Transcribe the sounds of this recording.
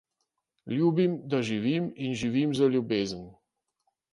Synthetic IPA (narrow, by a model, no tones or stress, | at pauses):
lubimd̪aʒiviminʒivimzəlubɛzən